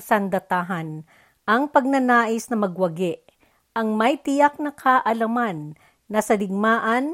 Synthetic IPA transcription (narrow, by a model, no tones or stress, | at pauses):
sɐnd̪ɐt̪aɦɐn | ʔɐŋpɐɡ̚nɐnaːʔɪsnɐmɐɡwɐɡɛʔ | ʔɐŋmɐjt̪ɪjak̚nɐkʰaʔɐlɐmanː | ɐsɐlɪɡ̚maːʔɐn